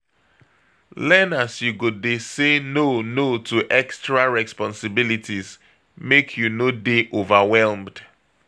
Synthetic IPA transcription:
lɛnasjuɡodesenonotʰuʔɛkstɹaɹɛspɔ̃nsɪbilitiz | mekʰjunodeʔovawɛlmd̥

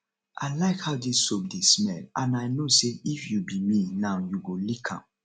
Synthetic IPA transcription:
ʔa̰ɪlaɪkhaʊdisopdesmɛlãnaɪnoseifjubiminãʊjuɡolikʰã̰m

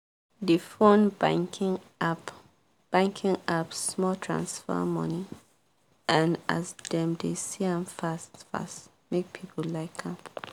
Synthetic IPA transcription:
difõnbãŋkʰĩŋ | ap | b̥ãŋkʰĩŋapːmɔltʰɹã̰nsfə̰mʌ̰ni | ʔãna̰zdɛ̃mdesiãmfastfa̰st | mek̚pʰipʰolaɪkʰãm

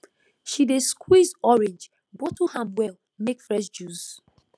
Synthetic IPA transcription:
ʃideskʰwizɔɹɛ̃nd͡ʒ | bɔtuhãmwɛl | mekfɹɛʃd͡ʒuz

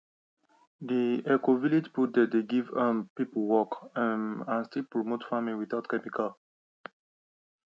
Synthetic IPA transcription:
d̪iɛkovilid͡ʒput̚d̪ɛd̪eɡivə̃pipwɔkə̃ãnstilpɹɔmotfamiwiθatkɛmikal

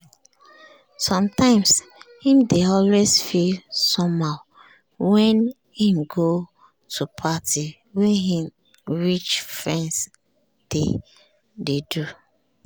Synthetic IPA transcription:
sɔ̃mtãɪ̃mshĩmdeɔlwezfilsɔmaʊ | wɛ̃n | himɡo | tʰupʰati | weɦĩm | ɹit͡ʃfɹɛ̃ns | d̥ḛ | dedu

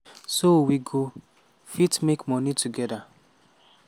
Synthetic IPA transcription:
sowiɡo | fitmekmɔnitʰuɡɛda

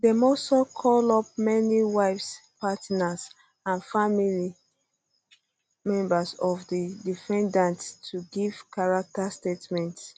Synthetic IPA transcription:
demɔsɔkʰɔlɔp̚mɛniwaɪfspatnas | ãnfamili | mɛ̃mbasɔvdidifɛ̃ndãnttʰːuɡiv̥kaɹak̚tastetmɛ̃nts

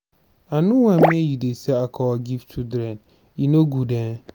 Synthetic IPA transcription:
anʊ̃wãmĩejidesɛakʰɔɔɡiftʰudɾɛ̃n | inoɡudɛ̃n

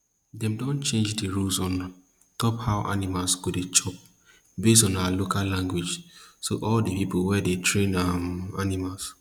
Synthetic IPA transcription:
dɛ̃mdɔ̃nt͡ʃẽnd͡ʒdiɹulsɔ̃n | tɔphaʊʔa̰nimalsɡ̥odet͡ʃɔp̚ | bestɔ̃naalokallãŋɡwed͡ʒsoʔɔldəpipolwɛdetʰɹẽnamanimals

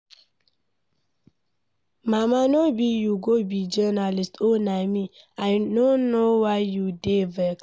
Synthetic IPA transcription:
mamanobijuɡobid͡ʒɛnalistonaɪmi | aɪdõnowaɪjudevɛk

